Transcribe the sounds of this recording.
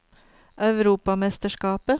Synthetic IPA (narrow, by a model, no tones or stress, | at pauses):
ʔœʉɾuːpɑmɛst̪əʃkɑːpə